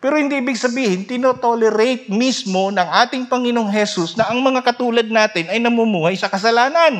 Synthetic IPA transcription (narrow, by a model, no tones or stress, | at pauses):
pɛːɾohɪnd̪iʔiːbɪɡ̚sɐbiːhɪnt̪ɪnot̪olɛɾejt̪̚mismo̞nɐŋʔaːt̪ɪŋpɐŋɪnoŋɦɛsusnɐʔɐŋmɐŋakɐt̪uːlɐd̪̚naːt̪ɪnɐjnɐmumuːhɐjsɐkɐs̬ɐlaːnɐn